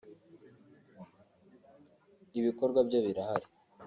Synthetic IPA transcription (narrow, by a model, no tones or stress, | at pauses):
iβikoɾɡwabjoβiɾaɦaɾi